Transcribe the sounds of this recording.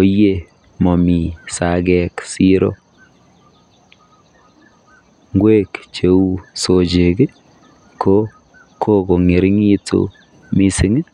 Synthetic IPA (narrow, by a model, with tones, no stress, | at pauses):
o˨je˦˨ | mɔ˨mi˨sa˨ɡɛ˨ksi˦ɾo̰˦ | ŋɡwe˦kt͡ʃe˨u˦so˨d͡ʒe˨ɡɪ˦ | kʰo˦ | kʰo˦ɡo˨ŋe˨ɾŋi˦to̰˦ | mi˦sɪ˦ŋ˦